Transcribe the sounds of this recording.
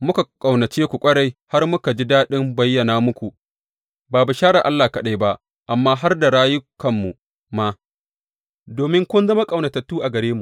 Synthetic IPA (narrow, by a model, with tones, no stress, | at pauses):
mʊ˦ka˨kʼa˨wnɐ˨t͡ʃeː˦kʷu˨kʷʼɐ˦ɽa˨jha˦rmʊ˦ka˨d͡ʒi˦daː˦ɗɪ˦mbɐ˦jːɐ˨naː˨mʊ˦kʷu˨ʔ | baː˨ba˨ʃaː˦ɽa˨ʔa˦lːaː˨kɐ˨ɗa˦jba˦ʔ | ʔa˨mːaː˦ɦa˦rda˨ɽaː˦jʊ˦kɐ˨mːu˨ | ma˦ | doː˨mɪ˦ŋkʷʊ˦nzɐ˦ma˦kʼɐ˨wnɐ˨tɐ˨tːuː˦ʔa˨ɡɐ˨ɾeː˦mu˨